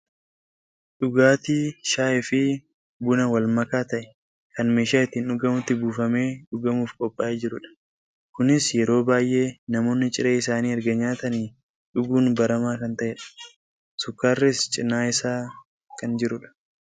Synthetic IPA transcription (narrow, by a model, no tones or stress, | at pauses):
ᶑʊɡaːt̪iːʃaːʔɛfɪ | bʊnɐwɐlmɐkaːt̪ɐʔɛ̥ | kɐnmeːʃaːɪt̪ːiːnʊɡɐmʊt̪ːɪbuːfɐme̞ːᶑʊɡɐmuːfkʼɔpʼːaʔeːd͡ʒɪɾʊᶑɐ̥ | kʊnɪsjɛɾo̞ːbaːjʔe̞ːnɐmo̞ːnːɪt͡ʃʼɪɾeːɪsaːniːɐɾɡɐɲːaːt̪ɐniː | ᶑʊɡuːnbɐɾɐmaːkɐnt̪ɐʔɛᶑɐ̥ | sʊkːaːrːɪst͡ʃʼɪnːaːɪsaː | kɐnd͡ʒɪɾʊᶑɐ̥